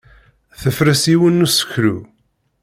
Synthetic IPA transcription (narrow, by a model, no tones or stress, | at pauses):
θəfɾəsiwənːusə̥çɾu